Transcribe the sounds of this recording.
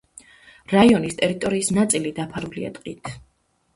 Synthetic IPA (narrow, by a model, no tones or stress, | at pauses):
ɾaiɔnist̪ʼɛɾit̪ʼɔɾiːsnat̪sʼilid̪apʰaɾulia̰d̪ʼqʼit̪ʰ